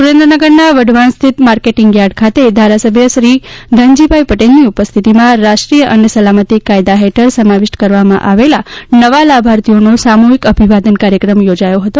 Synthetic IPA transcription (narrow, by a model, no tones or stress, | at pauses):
suɾẽnd̪ɾənəɡəɾnaʋəɖʱʋanst̪ʰit̪maɾkeʈɪŋɡjaɽkʰat̪ed̪ʱaɾasəbʱjəʃɾid̪ʱəɲd͡ʒibʱajpəʈelniupəst̪ʰit̪imãɾaʃʈɾijəʔənesəlamət̪ikajd̪aɦeʈʰəɾsəmaʋɪʃʈkəɾʋamã̰ʔaʋelanəʋalabʱaɾt̪ijonosamuɦikəbʱiʋad̪ənkaɾjəkɾəmjod͡ʒajoɦət̪o